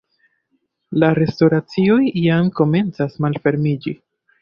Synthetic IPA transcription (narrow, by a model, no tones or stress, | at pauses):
laɾe̞stoɾat͡sio̞jijamko̞me̞nt͡sasmalfe̞ɾmid͡ʒi